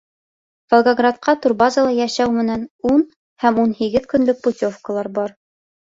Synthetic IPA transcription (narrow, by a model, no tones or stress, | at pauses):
volˠɡaɡrat̪̚qɑt̪urbɑzəlˠɑjæʃæwmɘ̆nænun | hæmunhiɡɘðkɵ̆nlɵk̚putʲofkəlˠɑɾbɑɾ